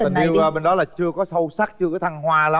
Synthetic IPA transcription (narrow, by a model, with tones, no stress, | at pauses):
a˨˩˧wɓe˧nɗɔ˨˦laː˨˩t͡ɕɨ˧əkɔ˨˦sə˧wsaː˦˥k̚t͡ɕɨ˧ə˨˦t̪ʰa˧ŋhwaː˧la˨˦